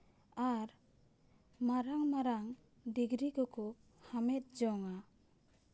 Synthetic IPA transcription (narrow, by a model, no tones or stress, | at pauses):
aɾ | maɾaŋmaɾaŋ | ɖiɡɾikɔkɔ | hamɛt̪̚d͡ʒɔŋa